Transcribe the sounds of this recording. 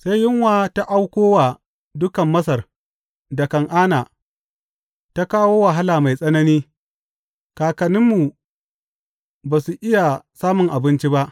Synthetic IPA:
sa˦jjɪ˦ŋwaː˦ta˦ʔa˦wkʷoː˦waː˨ | dʊ˦kɐ˨mːɐ˦sɐ˨r | dɐ˨kɐ˨ŋʔaː˦naː˨ | ta˦kaː˦woː˦wɐ˨ɦa˦laː˨ma˨jsʼɐ˦nɐ˦niː˦ | kaː˨kɐ˨nɪ˦mːu˨ | baː˨su˨ʔɪ˦ja˨saː˦mʊ˨ŋʔa˨bɪ˦nt͡ʃi˦ba˦ʔ

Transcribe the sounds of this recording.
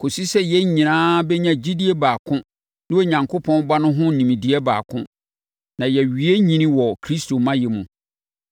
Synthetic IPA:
kʰo˨si˦sɛ˦jɛ˦ɲĩ˨nãː˦bɛ˦ɲã˦d͡ʑi˦di˦e˦baː˨kʰʊ̃˦ | nɪ̃˦o˦˨ɲã˨ŋkʰo˦pʰɔ̃˦n˦ba˦nʊ̃˦ɦʊ̃˦n̩˨nĩ˨mĩ˨di˨ɛ˦ba̰ː˨kʰʊ̰̃˦ | nã˨jɛ˨ɥi˨e˦ɲĩ˨nĩ˦wɔ˨kʰɾi˦stʰo˨mã˦jɛ˨mũ˨

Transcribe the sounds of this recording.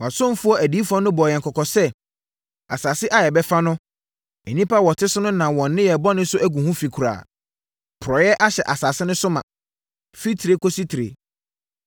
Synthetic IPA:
wã˨sɔ̃˦m˦fʊ˦ɔ˦ʔæ˨diː˨˦fu˨˦ɔ˦nʊ̃˦bɔ˨jɛ̃˨ŋ˨kʰɔ˨kʰɔ˨sɛ˦ | a˨sa˨sɪ˦ʔa˦jɛ˨bɛ˦fa˦nʊ̃˦ | ɛ˨nĩ˦pa˦wɔ˨tʰɪ˦sʊ˦nʊ̃˦nã˨wɔ̃˨nː˦ɪ̃˦jɛ˨bɔ˦nʊ̃˦sʊ˦ʔæ˦ɡũ˨hũ˦fi˨kʰu˨ɾa̰ː˨ | pʰʊ˨ɾɔ˨jɛ˦ʔa˦ɕɛ˨ʔa˨sa˨sɪ˦nʊ̃˦sʊ˦mã̰˨ | fi˦tʰi˨ɾe˦kʰo˦si˦tʰi˨ɾḛ˨

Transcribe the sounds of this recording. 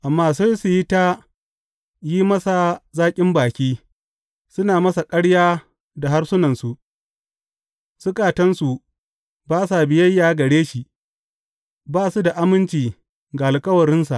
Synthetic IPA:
ʔa˨mːaː˦sɐ˦su˨ji˦ta˦ | ji˦mɐ˦sa˨zaː˦kʲʼɪ˦mbaː˨kʲiː˦ | sʊ˦naː˨mɐ˦sa˨kʼɐ˦ɽjaː˦ | da˨ɦa˦rsʊ˦nɐ˨nsu˨ʔ | sʊ˦kʼaː˨tɐ˦nsu˨ | baː˦s̬a˨bɪ˨jɐ˦jːaː˨ɡɐ˨ɽeː˦ʃi˨ | baː˦su˦da˨ʔa˦mɪ˦nt͡ʃiː˨ | ɡaː˨lkʼɐ˦wɐ˨ɾɪ˦nsa˨ʔ

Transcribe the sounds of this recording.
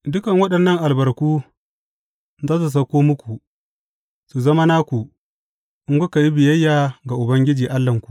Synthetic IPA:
dʊ˦kɐ˨ŋwɐ˦ɗɐ˨nːɐ˦ŋʔa˨lbɐ˨ɾkuː˦ | zaː˦s̬u˨s̬ɐ˦kʷoː˦mʊ˦kʷu˨ | su˨zɐ˦ma˦naː˦kʷu˨ | ʔɪ˦ŋɡʷʊ˦ka˨ji˦bɪ˨jɐ˦jːaː˨ɡa˨ʔʊ˨bɐ˦ŋɡʲɪ˦d͡ʒiː˨ʔa˦lːɐ˨ŋkʷu̥˨

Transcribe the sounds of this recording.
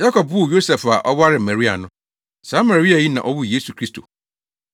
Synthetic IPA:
ja˦kʰɔ˨p̚bu˦˨jo˦sɛ˨fa˨ʔɔ˦wa˦ɾɪ˨m̩˨mæ̃˨ɾi˦a̰˨nʊ̃˦ | sã˨˦ma˨ɾi˦a˨ji˦nã̰˨ʔɔ˦wu˦jeː˦su˨kʰɾi˦stʰo̰˨

